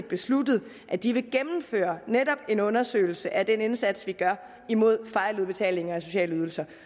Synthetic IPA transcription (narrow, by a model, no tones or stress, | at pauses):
d̥̚b̥e̝sludð̩ˠ | ʔæd̥iʋe̝ɡ̥emm̩fø̰ːɐneɾɒ̽b̥e̝nɔ̽nɐsø̰ːɪl̩səʔæd̥ene̝nsæd̥sʋiɡ̥ɶɐ | imo̝ð̞̰ˠfɑ̈ɪluð̩ˠb̥e̝t͡sʰɛ̰ːle̝ŋɐɒso̝ɕɛ̰ːləyːð̞ˠl̩sɐ